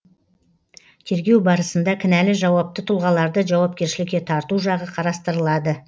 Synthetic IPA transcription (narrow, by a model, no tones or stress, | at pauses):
t̪ʰe̞ɾɡʲe̞wbɑɾəsənd̪ɑkʲʰɪnælɪʒɑwɑp̚t̪ət̪ʰʊlˠʁɑlˠɑɾd̪əʒɑwɑp̚kʲe̞ɾʃɪlɪkʲːe̞t̪ʰɑɾt̪uʒɑʁəqʰɑɾɑst̪əɾəlˠɑd̪ə